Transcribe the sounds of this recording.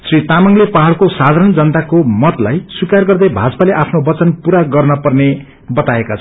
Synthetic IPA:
srit̪amaŋlepaɦaɭkosad̪ʱaɾʌnd͡zʌnt̪akomʌt̪lajswikarɡʌrd̪ʌjbʱad͡zʌ̥paleʔapʰnobʌt͡sʌnpuɾaɡʌrnʌpʌrne | bʌt̪aekat͡sʰ

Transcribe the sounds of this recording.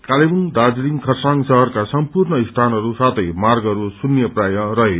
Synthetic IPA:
kalebund̪ad͡zliŋkʰʌrsaŋsʌɦʌrkasʌmpurnʌist̪ʰanʌɾusat̪ʰʌjmarɡʌɾusunjʌprajʌrʌɦe

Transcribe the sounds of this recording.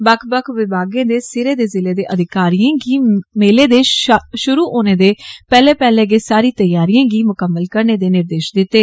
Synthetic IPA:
bəkʰbəkʰʋɪbʱaːɡẽːd̪eːsɪɾeːd̪eːzɪleːd̪eːʔəd̪ʱɪkaːɾiãːɡiːmeːleːd̪eːʃʊɾuːʔoːneːd̪eːpɛːlẽːpɛːlẽːɡeːsaːɾiːt̪əjaːɾiãːɡiːmʊkəmːəlkəɾneːd̪eːnɪɾd̪eːʃd̪ɪt̪ːeː

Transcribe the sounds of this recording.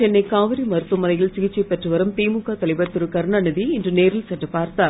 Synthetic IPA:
t͡ʃɛnːɐɪkaːʋɐɾimɐɾɯt̪ːɯmɐðɐjɪlsɪɣɪt͡ʃːɛpɛʈrɯʋɐɾɯmt̪iːmukːat̪ɐlɪbɐt̪ːɯɾɯkɐɾɳɐnɯðiɪndrɯneːɾɪlsɐʈːɐpaːɾt̪aː

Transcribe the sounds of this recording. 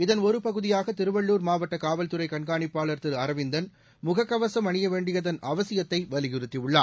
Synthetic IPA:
ɪðɐnɔɾɯpɐɣɯðɪjaːɣɐt̪ɪɾɯʋɐɭːuːɾmaːʋɐʈːɐkaːʋɐlt̪ɯɾɐɪkɐɳɡaːɳɪpːaːɭɐɾt̪ːɯɾɐɾɐʋɪnd̪ɐn | mʊɣɐkːɐʋɐsɐmɐɳɪjɐʋeːɳɖɪjɐðɐnɐʋɐsɪjɐt̪ːɐɪʋɐlɪɣɪɾɯt̪ːɪʋɯɭːaː

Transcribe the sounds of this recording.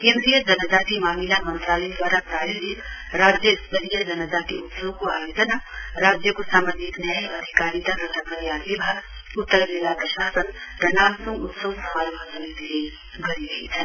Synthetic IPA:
kẽːnd̪ɾijəd͡ʒɐnət̪akemaːmilamə̃nt̪ɾaːləjd̪waːɾapɾaːjidi | ɾaːd͡ʒjəɪspelijəd͡ʒɐnət̪akeʊt̪səwkoa̰ːjoːd͡ʒənaɾaːd͡ʒjəkosaːməd͡ʒiknəɐd̪ʱikaːɾit̪akət̪ʰapəɾjaːd̪ibʱaɡ | ʊt̪ːəɾd̪elapɾəʃaːsənɾənaːlsɪ̃ŋɡʊt̪səwsɐmaːɾbʱəsəmid̪e | ɡɐɾiɡɐḭt̪ʰɛː

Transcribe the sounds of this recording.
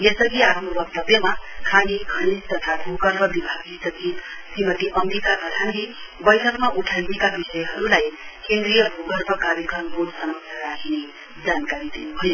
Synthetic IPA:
jesʌɡiaɾmbʌk̚t̪ʌbjʌmakʰaniɡʱʌɽ̃ist̪ʌt̪ʰabʱuɡʌɾbʱʌbibʱaɡisʌt̪ʰisimʌt̪iʔʌmɾikak̪ʌt̪ʰanɡibʌjʈʰʌkmaʔuʈʰajnekabisʌjɦʌɾulajkẽnd̪ɾijʌbʱuɡʌɾbʱʌkabikʌnbod̪sʌmʌsaɾakʰine | d͡zankaɾid̪inuɦoj

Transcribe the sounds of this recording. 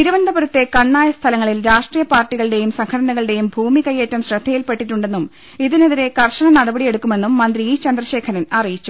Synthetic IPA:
niɾuʋɐnd̪ɐbɐɾut̪ːe̞kɐɳːaːjɐst̪ʰɐlɐŋːɐɭilɾaːʂʈriːjɐpaːrʈːiɣɐɭɨɽe̞jumsɐŋkʰɐɽɐnɐɣɐɭɨɽe̞jumbʱuːmikɐjːeːtːɐmɕrɐd̪ʱːɐjilpe̞ʈːiʈːuɳɖe̞nːum | iðineðiɾe̞kɐrʂɐɳɐnɐɽɐbɐɽije̞ɽukːume̞nːumːɐnd̪riiːt͡ɕɐnd̪rɐɕe̞ːkʰɐnɐnɐrijit͡ɕːu

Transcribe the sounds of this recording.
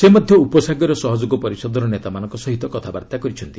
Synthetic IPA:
semɔd̪ʱjɔupɔsaɡɔɾɔsɔɦɔd͡ʒoɡɔpɔɾisɔd̪ɔɾɔnet̪amanɔŋkɔsɔɦit̪ɔkɔt̪ʰaba̰ɾt̪akɔɾit͡ʃʰɔnt̪i̥

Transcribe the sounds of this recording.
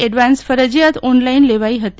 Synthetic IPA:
eɖʋansfəɾəd͡ʑjat̪ɔnlainleʋaiɦət̪i

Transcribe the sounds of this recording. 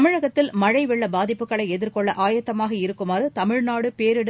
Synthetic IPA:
mɪɻɐɣɐt̪ːɪlmɐɻɐɪʋɪɭːɐbaːðɪpːɯkːɐɭɐɪɛðɪɾkɔɭːɐʔaːjɐt̪ːɐmaːɣɐɪɾɯkːɯmaːɾɯt̪ɐmɪɻnaːɽɯpeːɾɪɽ

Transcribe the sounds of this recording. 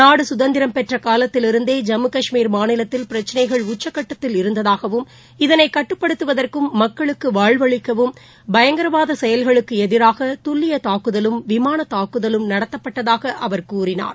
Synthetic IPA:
naːɽɯsʊðɐnd̪ɪɾɐmpɛʈrɐkaːlɐt̪ːɪlɪɾɯnd̪eːd͡ʒɐmɯkɐʂmiːɾmaːnɪlɐt̪ːɪlpɪɾɐt͡ʃːɪnɐɪɣɐɭʊt͡ʃːɐkːɐʈːɐt̪ːɪlɪɾɯnd̪ɐðaːɣɐʋɯm | ɪðɐnɐɪkɐʈːɯpːɐɽɯt̪ːɯʋɐðɐrkɯmːɐkːɐɭɯkːɯʋaːɻʋɐɭɪkːɐʋɯm | bɐjɐŋɡɐɾɐʋaːðɐsɛjɐlɣɐɭɯkːɯɛðɪɾaːɣɐt̪ʊɭːɪjɐt̪aːkɯðɐlɯmʋɪmaːnɐt̪aːkɯðɐlɯmnɐɽɐt̪ːɐpːɐʈːɐðaːɣɐʔɐʋɐɾkuːrɪna̰ːɾ

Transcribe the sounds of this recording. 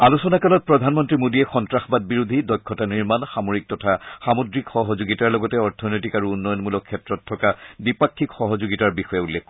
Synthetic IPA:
alusɔnakalɔt̚pɹɔdʱanmɔntɹimodiɛxɔntɹaxɔbad̚biɹud̪ʱidɔjkʰːɔtaniɹmanxamoɹik̚tɔtʰaxamodɹikxɔɦɔzoɡitaɹlɔɡɔtɛɔɹtʰɔnɔjtikaɹuunːɔjɔnmulɔkʰːɛtɹɔtʰːɔkabipakʰːikxɔɦɔzoɡitaɹbixɔjɛulːɛkkːɔ

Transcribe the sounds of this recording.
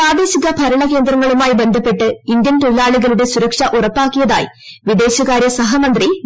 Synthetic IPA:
aːd̪e̞ːɕiɣɐpɐɾɐɭɐke̞ːnd̪rɐŋːɐɭumaːjibe̞nd̪ʱɐpːe̞ʈːɨind̪jɐnt̪olaːɭuɣɐluɽe̞suɾɐkʂɐʔurɐpːaːkːijɐða̰ːjḭ | ʋid̪e̞ːɕɐɣaːɾjɐsɐɦɐmɐnd̪ri

